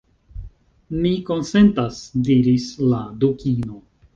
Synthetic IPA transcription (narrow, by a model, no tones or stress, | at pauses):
miko̞nse̞ntasdiɾisladukino̞